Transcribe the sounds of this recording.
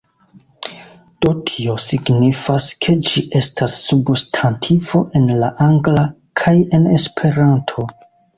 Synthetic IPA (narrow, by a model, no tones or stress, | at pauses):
d̥o̞tʰio̞siɡnifaskʰe̞d͡ʒiʔe̞stʰasːubstʰantʰivo̞ʔe̞nlaʔaŋɡla | kʰaje̞ne̞spʰe̞ɾantʰo̞